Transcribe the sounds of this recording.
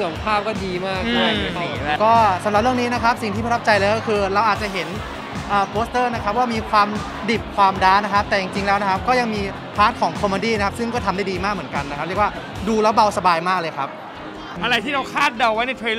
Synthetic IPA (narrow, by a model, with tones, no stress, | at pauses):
ŋpʰaː˥˩p̚kɔː˥˩diː˧maː˥˩k̚ɔ˧˩˧kɔː˥˩sa˨˩˦mɾa˨˩ɾɯ˥˩ŋniː˦˥na˦˥kʰa˦˥p̚si˨˩ŋt̪ʰiː˥˩pa˧t̪ʰa˦˥p̚t͡ɕa˧jlɤː˧jkɔː˥˩kʰɯː˧ɾa˧wʔaː˨˩t̪̚t͡ɕa˨˩ɦe˩˦n | ʔɤː˨˩pʰoː˦˥st̪ɤː˥˩na˦˥kʰa˦˥p̚waː˥˩miː˧kʰwaː˧m | di˨˩p̚kʰwaː˧mdaː˦˥nːa˦˥kʰa˦˥p̚t̪ɛː˨˩t͡ɕi˨˧ŋt͡ɕi˧ŋlɛː˦˥wna˦˥kʰa˦˥p̚kɔː˥˩ja˧ŋmiː˧ | pʰaː˦˥t̪̚kʰɔː˩˦ŋkʰo˧moː˧˩diː˥˩na˦kʰa˦˥psɯ˥˩ŋkɔː˥˩t̪ʰa˧daː˥˩jdiː˧maː˥˩k̚mɯ˩˦nka˧na˦˥kʰa˦p̚ɾi˥˩əkwaː˥˩ | duː˧la˦˥wba˧wsa˧baː˧jmaː˥˩k̚lɤː˧jkʰa˦˥p̚ | a˧ɾa˧jt̪ʰiː˥˩ɾa˧wkʰaː˥˩t̪̚da˧˩wwa˦˥jna˧jt̪ʰɾe˧